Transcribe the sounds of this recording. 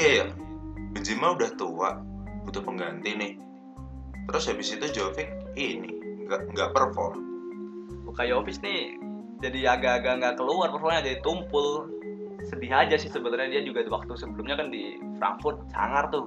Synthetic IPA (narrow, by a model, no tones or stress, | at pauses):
iabəd͡ʒimaudaht̪ua̰ʔbut̪ʊpəŋɡant̪inɪh | t̪əɾʊsabɪsit̪ud͡ʒofɪk̚inɪ̰ŋɡaʔŋɡaʔpərfɔ̰r | bukajofɪsnɪ | d͡ʒadiaɡaːɡaʔŋɡakəluarpərfɔrmɲad͡ʒadit̪umpʊl | sədiɦad͡ʒasɪhsəbət̪alɲadiad͡ʒuɡawak̚t̪usəbəlumɲakandi | fɾa̰ŋfʊrt̪̚t͡ʃa̰ŋart̪ʊ